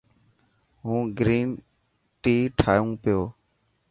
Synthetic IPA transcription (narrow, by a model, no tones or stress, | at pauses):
ɦũːɡɾiːn | ʈiːʈʰaːjũːpɪjoː